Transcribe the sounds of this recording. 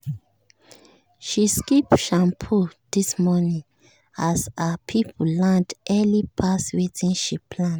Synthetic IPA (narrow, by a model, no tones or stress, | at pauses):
ʃiskipʃãmpʰod̥ismɔnĩŋ | asapʰipʰulãndʔɛlipʰaswetĩnʃipʰlãn